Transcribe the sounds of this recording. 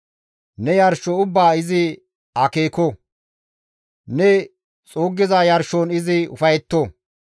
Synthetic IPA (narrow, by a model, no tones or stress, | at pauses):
nɛjɐɾʃɔʊbːaːɪzɪ | ɐkeːko | nɛ | t͡sʼoːɡːɪzɐjɐɾʃonɪzɪʊ̰fɐjɛt̪ːo